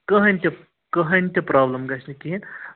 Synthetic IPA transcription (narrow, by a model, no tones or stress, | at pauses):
kɐɦɐnʲt̪ʲɐ | kɐɦɐnʲt̪ʲipɾaːblɐmɡɐsnikʲin